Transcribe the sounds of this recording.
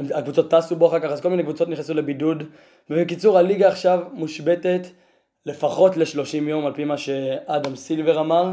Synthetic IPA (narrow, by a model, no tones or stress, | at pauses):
emakvut͡so̞t̪ːaːsuboaχaʁkaχazkominekvut͡so̞t̪niχnesule̞bidud | bebekit͡suʁhaliɡaːχʃavmuʃbe̞te̞t | le̞faχo̞tle̞ʃlo̞ʃimjo̞malpimaʃe̞ad̪amsilve̞ʁamaʁ